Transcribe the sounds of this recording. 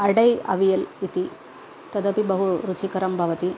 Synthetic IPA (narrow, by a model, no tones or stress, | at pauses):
ɐɽɐjɐ̰ʋijɐlit̪i | t̪ɐd̪ɐpibɐɦuɾut͡ʃikɐɾɐmbʱɐʋɐt̪i